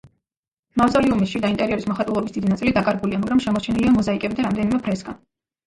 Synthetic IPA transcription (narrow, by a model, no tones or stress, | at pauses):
mazaliumisʃid̪aint̪ʼɛɾiɔɾismɔχat̪ʼulˠɔbisd̪̥id̪inat̪sʼilid̪akʼaɾɡuliamaɡɾamʃɛmɔɾt͡ʃʰɛniliamɔzaikʼɛbid̪aɾamd̪ɛnimɛpʰɾɛsɡan